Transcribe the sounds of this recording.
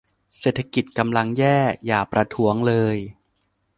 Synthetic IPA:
seː˨˩t̪ʰːa˧ki˨˩t̪̚ka˧mla˧ŋjɛː˥˩jaː˨˩pɾa˧t̪ʰu˦˥əŋlɤː˧j

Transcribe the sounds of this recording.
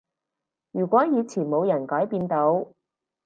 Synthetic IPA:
jyː˨˩kʷɔː˨˥jiː˨˧t͡sʰiː˨˩nmo˨˧wjɐ˨˩nkɔː˨˥jpiː˧nt̪o˨˧w

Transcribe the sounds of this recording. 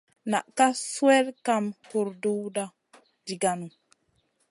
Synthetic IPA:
na̰˨ʔka˦swe˦lka˦˨mhu˨ɾdu˦wda˦ | d͡ʒi˨ɡa˨nu˨

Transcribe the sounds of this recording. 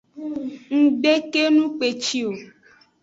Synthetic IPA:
ŋ̩˨ɡ͡be˦ke˦nũ˦k͡pe˨t͡ʃi˦o˨

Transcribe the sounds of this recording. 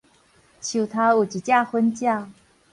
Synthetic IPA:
t͡ɕʰu˨˩t̪ʰa˥u˨˩t͡ɕi˨˩t͡ɕja˥˩xwə˥nt͡ɕjɑ˥˩ʊ

